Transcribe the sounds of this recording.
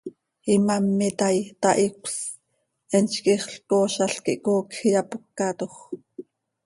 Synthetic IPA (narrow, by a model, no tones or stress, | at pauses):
imɑmːit̪ɑjt̪ɑʔikʷs | ɛnt͡ʃkiχɬkoːʃɑɬkḭʔkoːkxijɑpukːɑt̪oχ